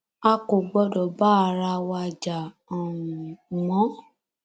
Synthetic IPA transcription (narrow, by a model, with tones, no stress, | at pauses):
a˧ko˨ɡ͡bɔ˧dɔ˨ba˦˨ɾa˧wa˧d͡ʒa˨ | ɔ˨wũ˨mɔ̃˨˦